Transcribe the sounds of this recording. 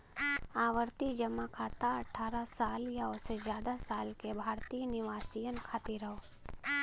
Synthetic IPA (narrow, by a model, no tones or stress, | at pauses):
aːʋəɾt̪id͡ʒəmːakʰaːt̪aɐʈʰaːɾasaːljaosezjaːd̪asaːlkebʱaːɾt̪iːnɪʋaːsijənkʰaːt̪iɾəɦoː